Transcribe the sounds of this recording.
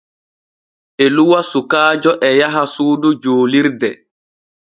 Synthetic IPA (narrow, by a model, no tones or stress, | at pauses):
ɛluwasukaːd͡ʒɔʔɛjaɦasuːdud͡ʒoːliɾdɛ